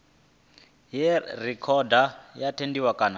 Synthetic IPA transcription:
jɛrɛkʰɔdajatʰendiwakʼaːna

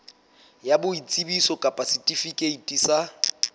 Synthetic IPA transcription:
jabʊit͡sʼibisɔkʼapʼasitʼifikʼeitʼisa

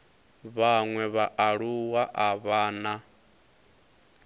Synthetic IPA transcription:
βaŋwɛβaʔaɺuwaʔaβaːna

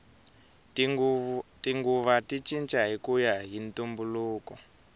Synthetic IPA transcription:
tiŋɡuβatit͡ʃint͡ʃʼaɦikujaɦintumbuluːkɔ

